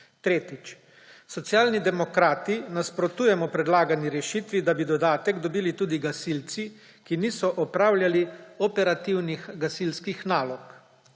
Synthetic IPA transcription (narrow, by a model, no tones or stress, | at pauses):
t̪ɾeːt̪it͡ʃ | sɔt̪sjaːlnid̪ɛmɔkɾaːt̪inaspɾɔt̪uːjɛmɔpɾɛd̪laːɡaniɾɛʃit̪ʋid̪abid̪ɔd̪aːt̪ɛɡd̪ɔbiːlit̪uːd̪iɡasilt̪si | kiniːsɔʔɔpɾaːwlʲjaliɔpɛɾat̪iwnixɡasilskixnaːlɔk